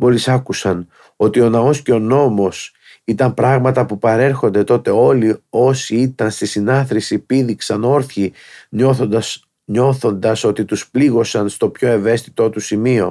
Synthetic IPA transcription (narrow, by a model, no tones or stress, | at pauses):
mo̞lisɐkusɐn | o̞t̪io̞nɐo̞sce̞o̞no̞mo̞s | it̪ɐmpɾɐɣmɐt̪ɐpupɐɾe̞ɾxo̞nd̪e̞t̪o̞t̪e̞o̞lio̞siit̪ɐnst̪isinɐθɾisipiðiksɐno̞ɾθçi | ɲo̞θo̞nd̪ɐso̞t̪it̪uspliɣo̞sɐnst̪o̞pço̞e̞ve̞st̪i̥t̪o̞t̪usimio̞̰